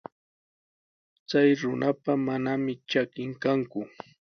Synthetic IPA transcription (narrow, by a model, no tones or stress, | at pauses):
t͡sajɾʊnapamanamɪt͡ʃakɪŋkaŋkʊ